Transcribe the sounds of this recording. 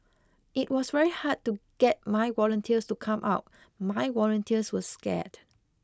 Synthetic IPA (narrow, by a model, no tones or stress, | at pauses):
ʔit̚wɔsvɛɹihad̚tuɡ̥ɛt̚maɪwɔlə̃ntʰiəstukʰãmʔa̰ʊt̚ | maɪwɔlə̃ntʰiəswəskɛ̰t